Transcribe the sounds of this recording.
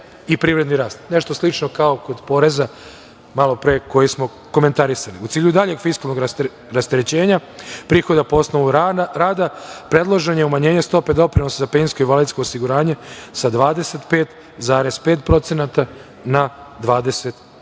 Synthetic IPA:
ipɾiːʋɾe̞d̪niɾaːst̪ne̞ʃt̪o̞slˠit͡ʃno̞kaoko̞d̪po̞ɾe̞za | malˠo̞pɾeko̞jismo̞ | ko̞me̞nt̪aɾisaliut̪siːʎud̪aʎe̞ɡfiskalno̞ɡ | ɾast̪eɾet͡ɕe̞ːɲapɾiːxo̞d̪apoosnoʋuɾaːd̪apɾe̞d̪lˠoʒe̞ɲeumaɲe̞ːɲe̞st̪o̞pe̞d̪o̞pɾino̞sazapensko̞iʋalit̪sko̞ːsiɡuɾaːɲe̞sad̪ʋaːd̪e̞se̞t̪pe̞ːt̪ | zaːɾe̞speːt̪pɾo̞t̪senat̪a | nad̪ʋaːd̪e̞se̞t̪

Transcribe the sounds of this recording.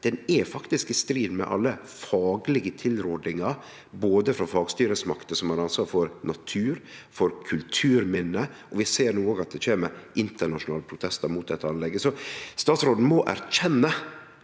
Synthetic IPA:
d̪̥ɛnɛfɑkt̪ɪskɪst̪ɾiːd̪mɛ̰ʔɑ̰lːə | fɑːɡlɪɡət̪ʰɪlɾʊd̪ɪŋɑɾ | boːd̪əfɾɑfɑːɡst̪yːɾəsmɑkt̪əsɔmæɾɑnsʋɑːɾfɔɾnɑt̪ʰʉːɾfɔɾkʰʉlt̪ʰʉːɾmɪnːə | ɔʋɪseːɾnuːoːɡɑt̪̚d̪ɛt͡ʃeːməɾʔɪnt̪əɳɑʂʊnɑːləpʰɾʊt̪ʰɛst̪əɾmuːd̪ɛt̪ːəɑnlɛɡːəsɔst̪ɑːt̪sɾoːd̪n̩mɔʔæ̰ɾc͡çɛnːə

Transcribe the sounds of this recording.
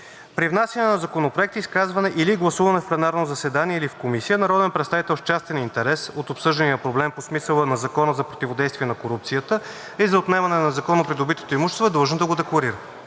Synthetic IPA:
pɾivnasʲjənɛnɐzɐkonopɾoɛk̚t̪iiskazvɐnɛʔiliɡlˠɐsuvɐnɛfplɛnaɾnozɐsɛd̪aniɛilifkomisijənɐɾɔd̪ɛnpɾɛt̪st̪avit̪ɛlˠft͡ʃast̪ɛnint̪ɛɾɛsot̪opsɤʒd̪ənijəpɾoblɛmposmisəlˠənɐzɐkɔnəzɐpɾot̪ivod̪ɛjst̪viɛnɐkoɾup̚t̪sijət̪ə | izɐot̪nɛvɐnɛnɐzɐkɔnopɾid̪obit̪o̥t̪oimuʃɛst̪voɛd̪lˠɐʒnəd̪ɐɡod̪ɛklˠɐɾiɾə

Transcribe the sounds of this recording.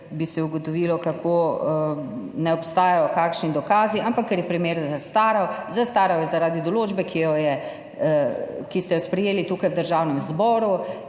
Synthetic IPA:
bisɛuɡɔt̪ɔʋilɔkakʰo | nɛɔpst̪aːjajɔkaːkʃnid̪ɔkaːziampakːɛɾjɛpɾimeːɾzast̪aːɾɔwzast̪aːɾɔwjɛzaɾaːd̪id̪ɔloːd͡ʒbɛkʰijɔjɛ | kist̪ɛjɔspɾɛjeːlit̪uːkajwd̪əɾʒaːwnɛmzbɔːɾu

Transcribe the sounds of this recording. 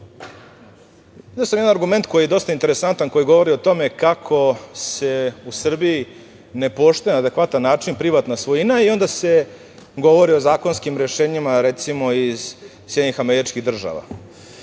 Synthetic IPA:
id̪eosamjed̪anaɾɡume̞nt̪ko̞jijed̪o̞st̪aint̪e̞ɾesant̪anko̞jiɡo̞ʋo̞ɾio̞t̪o̞me̞kakʰo̞se̞usr̩bii | ne̞po̞ʃt̪ojenaːd̪e̞kʋat̪anːaːt͡ʂinpɾiʋat̪nasʋojinaio̞nd̪ase̞ | ɡo̞ʋo̞ɾiozaːko̞nskimɾeʃeːɲimaɾet̪simo̞iz̥ | sjedɲixameɾit͡ʃkiɣd̪r̩ʒa̰ʋa̰

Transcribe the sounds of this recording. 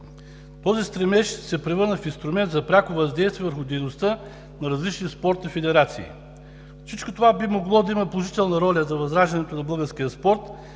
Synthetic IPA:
t̪ɔzist̪ɾɛmɛʃsɛpɾɛvɤɾnəfinst̪ɾʊmɛnt̪zɐpɾʲakovɐzd̪ɛjst̪viːvəɾxʊd̪ɛjnost̪ə | nɐɾɐzlit͡ʃniɛspɔɾt̪nifɛd̪ɛɾat̪sḭː | fsit͡ʃkot̪ovabimoɡlˠɔd̪ɐimɐpolˠoʒit̪ɛlˠnɐɾɔlʲəzɐvɐzɾaʒd̪ɐnɛt̪onɐbɤɡəɾskijəspɔɾt̪

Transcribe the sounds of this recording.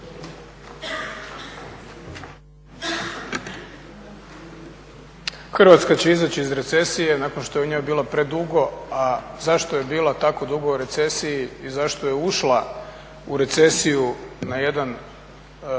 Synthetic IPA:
xr̩ʋat̪skat͡ɕeizat͡ɕiizɾe̞t̪se̞sije̞nakonʃt̪o̞jeuɲo̞jbiːlapɾe̞d̪uɡo̞azaʃt̪o̞je̞biːlˠat̪ako̞d̪uɡouɾe̞t̪se̞sijiizaʃt̪oje̞uʃla | uɾe̞t̪se̞sijunaje̞d̪an

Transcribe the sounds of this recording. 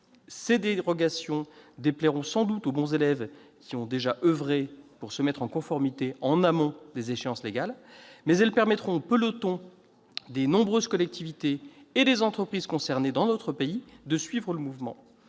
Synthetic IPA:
sed̪eʁɔɡasjɔ̃d̪eplɛʁɔ̃sɑ̃d̪ut̪obɔ̃zelɛvkʲiɔ̃d̪eʒaʔəvʁepuʁsəmɛt̪χɑ̃kɔ̃fɔʁmit̪eɑ̃namɔ̃d̪ezeʃeɑ̃sleɡalmɛzɛlpɛʁmɛt̪χɔ̃pəlɔt̪ɔ̃ | d̪enɔ̃bʁøzkɔlɛk̚t̪ʰivit̪eːd̪ezɑ̃t̪χəpχiz̥kɔ̃sɛʁned̪ɑ̃nɔt̪χəpeid̪əsɥivʁələmuvmɑ̰̃

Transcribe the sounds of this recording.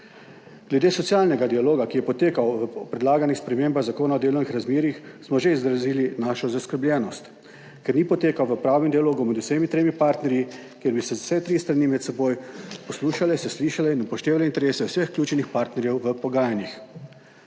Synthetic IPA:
ɡ̥lɛd̪eːsɔtsijaːlnɛɡad̪ialoːɡakijɛpɔt̪eːkawʋəɔpɾɛd̪laːɡanixspɾɛmeːmbaɣzakoːnaɔd̪eːlɔwnixɾazmeːɾixsmɔʒeizd̪ɾaziːlinaːʃɔzaskəɾbljʲɛːnɔst̪ | kɛɾniːpɔt̪eːkawʋəpɾaːwnɛmd̪ialoːɡumɛd̪useːmit̪ɾeːmipaːɾt̪nɛɾji | kjeːɾbisɛsɛt̪ɾist̪ɾanimɛt̪sɛboːjpɔsluːʃalɛsɛsliːʃalɛinupɔʃt̪eːʋalɛint̪ɛɾeːsɛwsəxklʲuːt͡ʃɛnixpaːɾt̪nɛɾjɛwʋəpɔɡaːjanix

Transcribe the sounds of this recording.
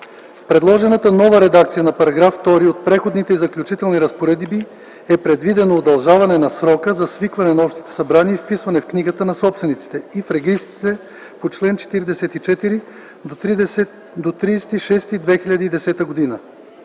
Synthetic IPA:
fpɾɛd̪lˠɔʒɛnət̪ənɔvəɾɛd̪akt̪sijənɐpɐɾɐɡɾafːt̪ɔɾiot̪̚pɾɛxod̪nit̪ɛizɐklʲut͡ʃit̪ɛlˠniɾɐspoɾɛd̪bi | ɛpɾɛd̪vid̪ɛnoːd̪ɐlˠʒavɐnɛnɐsɾɔkəzɐsvikvɐnɛnɐɔpʃt̪i̥t̪ɛ̥sɐbɾaniəifpisvɐnɛfkniɡət̪ənɐsɔpst̪vɛnit̪si̥t̪ɛifɾɛɡist̪i̥t̪ɛ | pot͡ʃlɛnt͡ʃɛ̥t̪iɾid̪ɛsɛt̪it͡ʃɛt̪iɾi | d̪ot̪iɛ | d̪ot̪ɾisɛt̪iʃɛst̪id̪vɛxiʎʲɐd̪iid̪ɛsɛt̪əɡod̪inə

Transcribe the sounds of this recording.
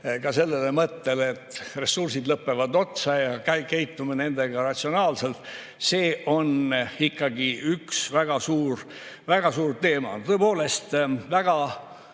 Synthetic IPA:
kɑse̞lːe̞lemɤt̪ːelet̪ːre̞sursid̪lɤpːe̞vɑd̪o̞t̪sɑjɑkæjkejt̪ːumɑne̞nd̪̥e̞ɡ̥ɑrɑt̪ʲsio̞nɑːlse̞lt̪ | se̞ːʔo̞nikːɑɡiʔyksvæɡ̥ɑsuːr | væɡ̥ɑsuːrt̪e̞ːmɑ̰nt̪ɤpo̞ːle̞st̪væɡ̥ɑ

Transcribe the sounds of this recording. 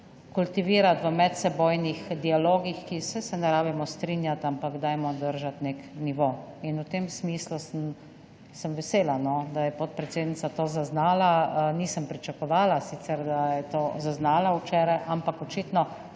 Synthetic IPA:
kult̪iʋiːɾat̪ʋəmɛt̪sɛboːjnixd̪ialoːɡixkisɛsɛnɛɾaːbimɔst̪ɾinjat̪ampaɡd̪aːjmɔd̪əɾʒat̪nekniʋoːinut̪emsmiːslusəm | səmʋɛseːlanɔd̪ajɛpot̪̚pɾɛt̪seːd̪nitsat̪oːzaznaːlaniːsəmpɾit͡ʃakɔʋaːlasit̪sɛɾd̪ajɛt̪oːzaznaːlauwt͡ʃeːɾajʔampakɔt͡ʃit̪nɔ

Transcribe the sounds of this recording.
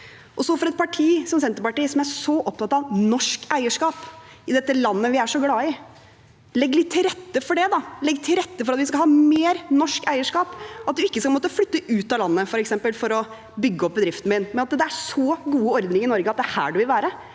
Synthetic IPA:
ʔɔsɔfɔɾɛt̪̚pʰɑʈʰiːsɔmsɛnt̪əɾpɑʈiːsɔmæɾʂɔʔɔp̚t̪ʰɑt̪ɑʋnɔʂkæɪəʂkɑːp | ɪd̪ɛt̪ːəlɑnːəʋɪæʂɔɡlɑːɪ | lɛɡːlɪt̪ʰːɪlɾɛt̪ːəfɔɖɛd̪ɑlɛɡːt̪ʰɪlɾɛt̪ːəfɔɾɑt̪ʋɪskɑhɑːmeːɾnɔʂkæɪəʂkɑːpɑt̪̚d̪ʉɪkːəskɑlmoːt̪əflʏt̪ːəʔʉːt̪ɑlɑnːəfɔɾɛksɛmpəlfɔɾɔ | bʏɡːəɔp̚bəd̪ɾɪft̪n̩mɪnmɛnɑt̪d̪ɛæʂɔɡuːəɔɾd̪nɪŋɪnɔɾɡəɑt̪̚d̪ɛæhæ̰ːɖʉʋɪlʋæːɾə

